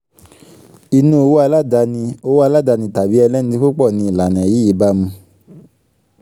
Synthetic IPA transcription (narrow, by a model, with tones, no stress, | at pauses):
i˧nũ˧˦o˧wo˦a˧la˦da˧nĩ˧o˧˦wo˦a˧la˦˨da˧nĩ˧ta˨bi˨˦ɛ˧lɛ˦nĩ˧ti˦˧ku˦k͡pɔ˦˨nĩ˧˨la˨nɛ̃˨ji˨˦i˨˦ba˧˦mũ˧